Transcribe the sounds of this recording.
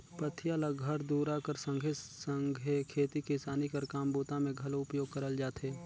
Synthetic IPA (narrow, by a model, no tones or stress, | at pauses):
pət̪ʰjalaɡʱɐɾd̪uːɾaːkəɾsə̃ŋɡʱesəŋɡʱekʰeːt̪ikisaːnikəɾkaːmbuːt̪ãmẽɡʱɐlʊpjoːɡ̚kɐɾəld͡ʒaːt̪ʰɦeː